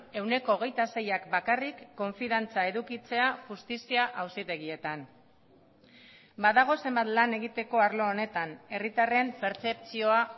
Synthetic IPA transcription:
e̞wne̞ko̞ːɣ̞e̞jt̪ase̞jakbakarikːo̞ɱfiðant͡sae̞ðukit͡se̞aʝust̪isiaʔawsit̪e̞ɣie̞t̪an | baðaɣ̞o̞se̞mbat̪lane̞ɣit̪e̞ko̞aɾlo̞ːne̞t̪ane̞rit̪are̞mpe̞ɾt͡se̞pt͡sio̞a

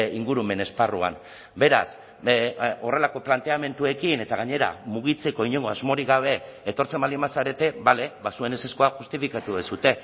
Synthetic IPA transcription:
iŋɡuɾume̞ne̞sparua̰n | be̞ɾa̰s | o̞re̞lako̞plant̪e̞ame̞nt̪ue̞kine̞t̪aɣ̞aɲe̞ɾa̰muɣit͡se̞ko̞iɲe̞ŋɡo̞azmo̞ɾiɣaβ̞e̞ːt̪o̞ɾt͡se̞malimasaɾe̞t̪e̞βale̞βasue̞nese̞skoaxust̪ifikat̪uðesut̪e̞

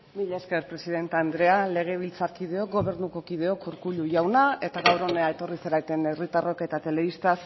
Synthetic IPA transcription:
miʎeske̞ɾpɾe̞siðe̞nt̪eand̪ɾe̞ale̞ɣ̞e̞β̞ilt͡sakið̞e̞o̞k̚ɡo̞βe̞ɾnuko̞kiðe̞o̞kuɾkuʎuʝawnae̞t̪aɣawɾo̞neae̞t̪o̞riseɾajt̪e̞nerit̪aro̞ke̞t̪at̪e̞le̞βist̪as

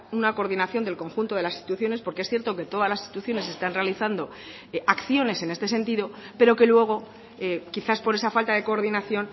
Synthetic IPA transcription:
unako̞ɾðinaθjo̞nd̪elko̞ŋxunt̪o̞ðe̞lasist̪it̪uθjo̞ne̞spo̞ɾkeesθje̞ɾt̪o̞ke̞t̪o̞ðazlasi̥sit̪uθjo̞ne̞s̬e̞st̪anre̞aliθand̪o̞ | akθjo̞ne̞se̞ne̞st̪e̞se̞nt̪iðo̞pe̞ɾo̞ke̞lwe̞ɣ̞o̞ | ekiθaspo̞ɾe̞safalt̪aðe̞ko̞ːɾðinaθjo̞n

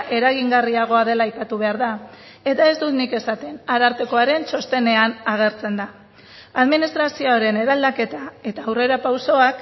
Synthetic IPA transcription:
ʔe̞ɾaɣiŋɡariaɣ̞o̞aðe̞laːjpat̪uβ̞e̞aɾða | e̞t̪ae̞zd̪ut̪nike̞sat̪e̞naɾaɾt̪e̞ko̞aɾe̞nso̞st̪e̞ne̞anaɣ̞e̞ɾt͡se̞nd̪a | aðminist̪ɾasioaɾe̞ne̞ɾald̪ake̞t̪ae̞t̪aːwre̞ɾapawso̞ak

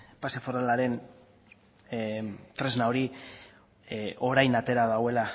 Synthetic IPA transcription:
pasefoɾalaɾe̞n | t̪ɾe̞znaoɾi | ʔo̞ɾajnat̪e̞ɾaðawe̞la

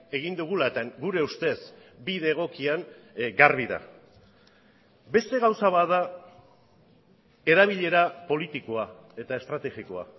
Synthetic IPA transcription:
e̞ɣ̞ind̪uɣ̞ulaet̪aɡuɾe̞ust̪e̞sbiðe̞ɣ̞o̞kiaŋ | ɡarβiða̰ | be̞st̪e̞ɣawsaβaða | e̞ɾaβ̞iʎe̞ɾapo̞lit̪ikoae̞t̪ae̞st̪ɾat̪e̞ɣikoa̰

